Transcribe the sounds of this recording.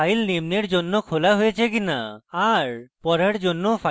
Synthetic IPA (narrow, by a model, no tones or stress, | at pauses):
ajlnemneɾd͡ʑonːokʰolaɦojet͡ʃʰek̬ina̰aɾpɔɾeɾd͡ʒonːopʰa